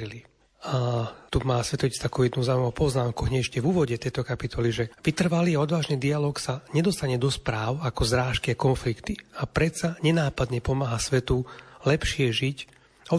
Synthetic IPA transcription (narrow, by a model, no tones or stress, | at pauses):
ili | at̪umaːsʋɛt̪ɔist̪akuʊjɛd̪nuzaːuimɔʊpɔznaːmkuɦɲɛʃcɛvuːʋɔɟɛt̪ɛjt̪ɔkapit̪ʰɔliʒɛʋit̪r̩ʋaliːaɔd̪ʋaːʒnid̪ialɔːksaɲɛd̪ɔst̪aɲɛd̪ɔspɾaːʊakɔzɾaːʃkiakɔnflikt̪iapɾɛt̪saɲɛnaːpad̪ɲɛpɔmaːɦasʋɛt̪ulɛpʃɪɛʒic | ɔ